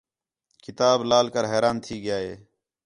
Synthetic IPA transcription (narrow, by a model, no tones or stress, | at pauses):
kɪt̪aːblaːlkəɾɦɛːɾaːnt̪ʰiːɡɪjaːḛː